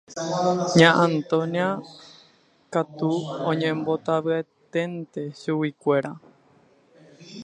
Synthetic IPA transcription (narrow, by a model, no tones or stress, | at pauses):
ɲãʔãnt̪õnia | kat̪uõɲẽmbot̪aʋɨet̪ẽ̞nt̪e̞ʃuwikʷe̞ɾa